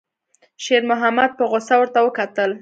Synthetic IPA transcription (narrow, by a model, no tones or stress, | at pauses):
ʃeɾmʊɦamad̪̚pəɣosawəɾt̪awəkat̪əl